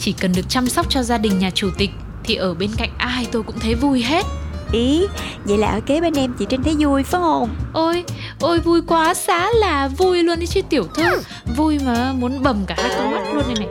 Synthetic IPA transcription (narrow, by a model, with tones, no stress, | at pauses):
t͡ɕi˧˩kə˨˩nɗɨ˨˩ək̚t͡ɕa˧msa˦˥wk͡p̚t͡ɕɔ˧zaː˧ɗï˨˩ŋ̟ɲaː˨˩t͡ɕu˧˩t̪ï˨˩k̟̚ | t̪ʰi˨˩ʔəː˧˩ɓe˧nka̰˧˨jŋ̟ʔaː˧jt̪o˧jkʊ̰˧˥ŋ͡mt̪ʰə˨˦jvu˧jɦe˦˥t̚ʔi˨˦zə̰˧˨jla̰ː˨˩ʔəː˧˩ke˨˦ɓe˧nʔɛ˧mt͡ɕi˧˩t͡ɕe˧nt̪ʰe˨˦jzu˧jfaː˨˦ŋho˧˩mʔo˧j | ʔo˧jvu˧jkwaː˨˦saː˨˦laː˨˩vu˧jlu˧əni˨˦t͡ɕi˦˥t̪i˧˩əwt̪ʰɨ˧əŋ | vu˧jmaː˨˩mu˨˦ənɓə˨˩mkaː˧˩haː˦˥kɔ˨˦ma˦˥t̚lu˧ənːa˧jna˨˩